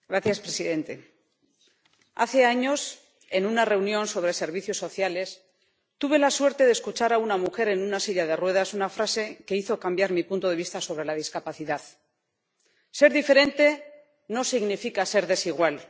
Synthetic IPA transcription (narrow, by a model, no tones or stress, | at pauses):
ɡɾaθjaspɾesiðe̞nt̪e̞̰ | a̰θe̞aɲo̞s | e̞nunare̞unjõ̞nso̞βɾe̞se̞ɾβ̞iθjo̞sːo̞θjale̞s | t̪uβe̞laswe̞ɾt̪e̞ðeskut͡ʃaɾaunamuxe̞ɾe̞nunasiʎaðe̞rwe̞ð̞asunafɾase̞ke̞iθo̞kambjaɾmipunt̪o̞ðeβist̪aso̞βɾe̞laðiskapaθiðað | se̞ɾðife̞ɾe̞nt̪e̞ | no̞siɣnifikase̞ɾðe̞siɣwal